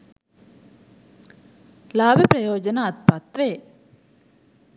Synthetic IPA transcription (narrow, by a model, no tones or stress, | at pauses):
laːbʱjɐpɾɐjoːd͡ʒɐnaːt̪̚pɐt̪ʋe